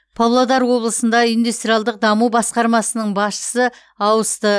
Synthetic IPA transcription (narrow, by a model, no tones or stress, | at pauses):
pʰavlˠod̪ɑɾwo̞blˠəsənd̪ɑijnd̪ust̪ɾijɑlˠd̪əq̚d̪ɑmubɑsqɑɾmɑsənəɴbɑsʃə̥sə | ɑwəst̪ə